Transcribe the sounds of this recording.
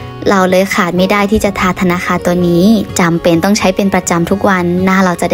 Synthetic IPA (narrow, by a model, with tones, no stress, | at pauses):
ɾa˧wlɤː˧jkʰaː˨˩t̪̚ma˥˩jdaː˥˩jt̪ʰiː˥˩t͡ɕa˧˩t̪ʰaː˧˩t̪ʰa˧naː˧˥xʰaː˧nt̪u˧ɐniː˦˥t͡ɕa˨˧mpe˧nt̪ɔ˥˩ŋt͡ɕʰa˦˥jpe˧npɾa˧t͡ɕa˧mt̪ʰu˦˥k̚wa˧nːaː˥˩ɾa˧wt͡ɕa˨˧˩d